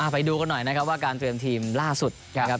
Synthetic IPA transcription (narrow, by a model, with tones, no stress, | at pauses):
ʔa˨˩pa˧jduː˧ka˧nːɔ˨˩jna˦kʰa˦˥p̚waː˥˩kaː˧nt̪ɾi˧əmt̪ʰiː˧mlaː˥˩su˨˩t̪̚a˦kʰa˦˥p̚